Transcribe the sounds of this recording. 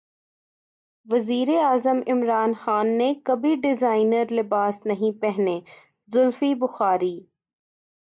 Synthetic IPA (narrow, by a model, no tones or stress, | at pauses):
ʋɐziːɾeaːzəmɪmɾaːnxaːnːekɐbʱiɖɪzaːɪnəɾlɪbaːsnɐɦĩpɛɦneː | zʊlfibʊxaːɾiː